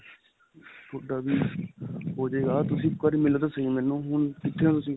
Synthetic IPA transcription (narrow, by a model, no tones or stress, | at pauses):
t̪ʰoɖaːbiː | ɦoːd͡ʒeːɡaːt̪ʊsĩːkəɾimɪlod̪aːsəĩːmɛːnũːɦʊnkɪt̪ʰːeːãːt̪ʊsĩː